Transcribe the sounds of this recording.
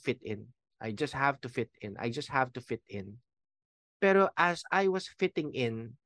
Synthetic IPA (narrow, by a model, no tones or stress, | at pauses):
fɪt̪ɪ̃n | ʔajd͡ʒɐst̪̚havt̪ʊfɪt̪ɪ̃nʔa̰jd͡ʒɐst̪̚havt̪ʊfɪt̪ɪ̃n | pɛɾoʔɐsajwʌsfɪt̪ɪ̃ŋɪ̃n